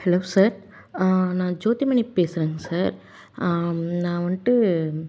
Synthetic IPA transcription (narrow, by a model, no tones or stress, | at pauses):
hɛloːsaːɾ | nãːd͡ʒoːt̪imɐɳipeːsɪɾeːŋɡɐsaːɾ | nãːʋɐnʈːɯ